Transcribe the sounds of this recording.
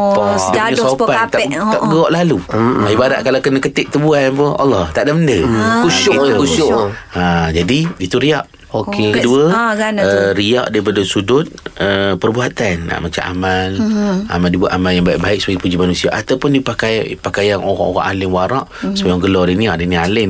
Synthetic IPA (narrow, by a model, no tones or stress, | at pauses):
dɲasopant̪aaʔ̚ɡəɔʔlaluaibaɾaʔ̚kalakənakət̪ɪʔ̚t̪əbuanpʊa̰lːɑht̪aʔdaməndəkuʃʊikuʊʔad͡ʒadiit̪uɾiaʔ | okekəduəɡəɾia̰ʔdaɾip̬adəsudʊt̪̚əpərbuɦat̪anːa̰ʔmat͡ʃa̰mʔa̰mala̰maldibuat̪ʔ̪amaljaŋbaiʔbaɪʔ̚səpaɡipud͡ʒimanũsiaʔat̪awpʊndipakajpakajanoɣa̰oɣa̰ŋʔalɪŋwaɾɑʔsəbajaŋɡəlɔdiniaʔdinialɪn